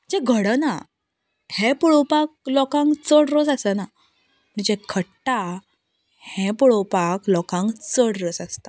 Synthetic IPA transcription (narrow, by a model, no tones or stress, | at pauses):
d͡ʑɛɡʱəɽəna | hɛpuɭopak̚lɔkãŋɡt͡səɽɾosasəna | məid͡ʑẽkʰəʈːa | hɛ̃puɭopaklɔkãŋɡt͡səɽɾosast̪a